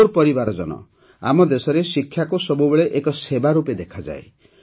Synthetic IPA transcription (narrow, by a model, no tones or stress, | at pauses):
uɾpɔɾibaɾɔd͡ʒɔ̰nɔ̰ | a̰mɔd̪esɔɾesikʰːjakusɔbubeɭeʔekɔsebaɾuped̪ekʰad͡ʒa̰e